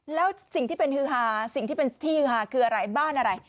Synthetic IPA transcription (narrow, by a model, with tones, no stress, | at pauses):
lɛː˦˥wsi˨˩ŋt̪iː˥˩pe˧nhɯː˦˧˥ɦaː˧˩si˨˩ŋt̪ʰiː˥˩pe˧nt̪ʰiː˥˩hɯː˧haː˧kʰɯː˧ʔa˧ɾa˧jbaː˥˩nʔa˧ɾa˧j